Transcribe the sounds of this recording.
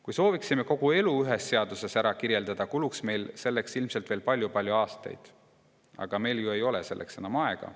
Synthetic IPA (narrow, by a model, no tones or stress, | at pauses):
kujso̞ːviksime̞ko̞ɡ̥ue̞luyɦesːe̞ɑd̪̥use̞sæɾɑkiɾje̞ld̪̥ɑd̪̥ɑkuluksme̞jlse̞lːe̞ksilmse̞lt̪ve̞ːlpɑlʲjupɑlʲjuɑːst̪ɑ̰jd̪̥ | ɑ̰ɡ̥ɑme̞jljue̞jo̞lese̞̰lːʔekse̞nɑmɑe̞ɡ̥ɑ̰